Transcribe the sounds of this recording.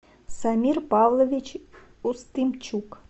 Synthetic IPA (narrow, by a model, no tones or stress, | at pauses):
samʲirpɑvlˠovʲit͡ɕ | ust̪ɨmt͡ɕuk